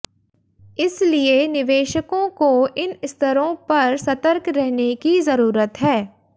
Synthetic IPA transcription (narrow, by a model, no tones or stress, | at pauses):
ɪslienɪʋeːʃəkõkoʔɪnɪst̪ʰəɾõpɐɾsɐt̪əɾkɾɛɦnekizɐɾuːɾət̪ɦɛː